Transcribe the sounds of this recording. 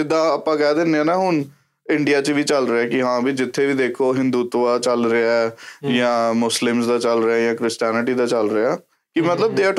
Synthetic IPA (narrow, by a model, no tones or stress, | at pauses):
ɪd̪aːəpːãːkɛːd̪eːnãːnaːɦʊn | ɪɳɖɪjaːt͡ʃəʋiːt͡ʃəlɾeɛːkɪɦãːbiːd͡ʒɪt̪ʰːeːʋiːd̪eːkʰoːɦɪ̃nd̪uːt̪ːaːt͡ʃəlɾeaːjãːmʊslɪmsd̪aːt͡ʃəlɾeaːjãːkɾɪsʈɛːnɪʈiːd̪aːt͡ʃəlɾɪaː | kɪmət̪ləb̚d̪eːəʈʰ